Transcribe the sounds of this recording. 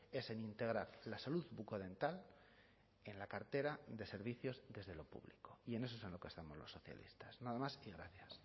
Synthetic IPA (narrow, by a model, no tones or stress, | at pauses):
e̞se̞nint̪e̞ɣ̞ɾaɾlasaluðβukoðe̞nt̪al | e̞nlakaɾt̪e̞ɾaðe̞se̞ɾβiθjo̞zðe̞zðe̞lo̞pṵβliko̞ie̞ne̞sosenlo̞kest̪amo̞zlo̞̰sːo̞θja̰lḭst̪ḁsnaðamasiɣɾaθjas